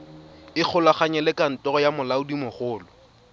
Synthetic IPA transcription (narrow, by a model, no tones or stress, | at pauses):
ɪk͡xʰʊlaχaɲɛlɛkan̩tɔrɔjamʊlaʊdimʊχʊːlɔ